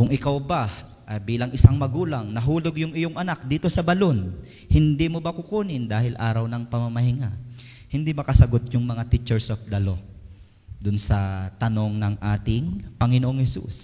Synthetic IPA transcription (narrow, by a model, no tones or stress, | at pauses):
kʊŋʔɪkawba | ʔɐbiːlɐŋʔɪsaŋmɐɡuːlaŋnɐɦuːloɡjʊŋɪjoŋʔɐnak̚d̪iːt̪o̞sɐbɐlon | hɪnd̪imobɐkʊkuːnɪnd̪aːhɪlʔaːɾɐwnɐŋpɐmɐmɐɦɪŋa | hɪnd̪imɐkɐsɐɡot̪̚jʊŋmɐŋat̪ɪt͡ʃɛɹsofd̪ɐlo̞ | d̪ʊnsɐt̪ɐno̞ŋnɐŋʔaːt̪ɪŋpɐŋɪnoʔoŋhɛsṵs